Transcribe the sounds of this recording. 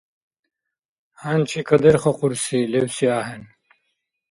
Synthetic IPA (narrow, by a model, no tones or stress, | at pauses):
hant͡ɕʰikɐd̪eɾχɐquɾsilewsiaːɦen